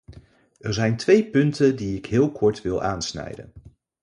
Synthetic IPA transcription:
ʔɛɹzɛjntʋejpɵntəndiɪkɦɪːlˠkʰɔɹtʋɪlˠʔaːnsnɛ̰jdə̰n

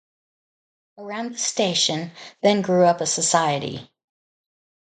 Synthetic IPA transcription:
ə˞ãʊ̃n̚ðəsteɪʃɨ̃nðɨ̃nɡɹʉʌpəsəsaɪɨɾḭ

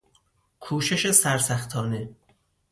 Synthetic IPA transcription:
kʰuːʃe̞ʃe̞sæɾsæxt̪ʰɒːne̞

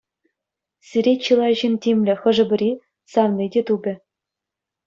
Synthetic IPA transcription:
sʲiɾʲet͡ɕɯlˠɑʑintʲimʲlʲɘ̆xɤ̆ʐɤ̆bʲɘ̆ɾʲi | sɑʋnʲidʲet̪ubʲɘ̆

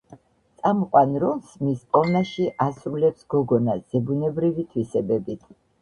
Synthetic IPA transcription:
t̪sʼamɔqʼwanɾɔnsmispʼɔlnaʃiʔasɾulɛpsɡ̥ɔɡɔnasz̥ɛbunɛbɾivit̪ʰwisɛbɛbit̪ʰ

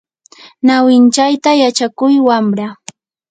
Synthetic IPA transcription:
nawɪnt͡ʃajt̪ajat͡ʃakʊjwamɾa

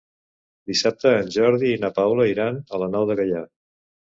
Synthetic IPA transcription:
d̪isap̚t̪əːnʲʒɔɾðiːnapawləiɾanələnawðəɣəʎa

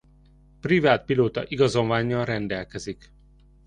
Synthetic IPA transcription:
privaːt̪̚piloːt̪ɒʔiɡɒzo̞mvaːɲːɒrɛnd̪ɛlkɛzik

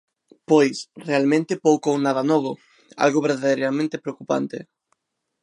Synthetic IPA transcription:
pojsrealmẽnt̪ɪpowkownaðanɔβʊ | a̰lɣoβeɾðaðejɾamẽnt̪ɪpɾeokupa̰nt̪ɪ

